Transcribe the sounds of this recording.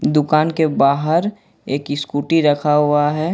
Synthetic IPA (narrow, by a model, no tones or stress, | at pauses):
d̪ʊkaːnkebaːɦəɾ | eːkɪskuːʈiɾɐkʰaɦʊaɦɛː